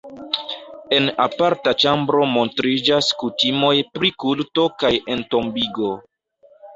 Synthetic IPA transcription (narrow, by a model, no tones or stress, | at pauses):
e̞napaɾtat͡ʃambɾo̞mo̞ntɾid͡ʒaskutimo̞jpɾikulto̞kaje̞nto̞mbiɡo̞